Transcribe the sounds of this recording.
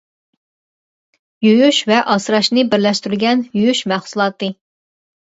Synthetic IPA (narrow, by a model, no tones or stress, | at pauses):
jyjyʃvɛʔɑsɾɑʃnɨbɪɾlɛʃt̪yɾyɾɡʲɛnjyjyʃmæχsulˠɑːt̪ɨ